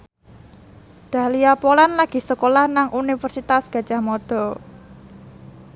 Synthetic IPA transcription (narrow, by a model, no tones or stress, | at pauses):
d̪̥ä̤liapolanlaɡ̥i̤səkolahnaŋʔunifərsit̪asɡ̥a̤̥d͡ʒ̥a̤hmɔd̪̥ɔ̤